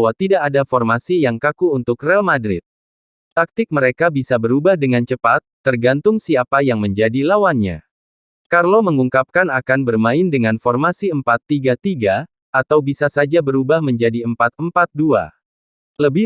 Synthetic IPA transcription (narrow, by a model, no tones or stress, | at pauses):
wat̪idaʔːdafɔrmasijaŋkakuːnt̪ʊkrɛalmadɾɪ̰t̪̚ | t̪ak̚t̪ɪk̚məɾekabisabəɾubahdəŋant͡ʃəpat̪ːərɡant̪ʊŋsiapajaŋməɲd͡ʒadilawanɲa̰ | karlawməŋuŋkap̚kanakanbərmaɪndəŋanfɔrmasiəmpat̪ːiɡat̪iɡa | ʔat̪awbisasad͡ʒabəɾubahməɲd͡ʒadiəmpat̪̚əmpat̪̚dua̰ | ləbɪ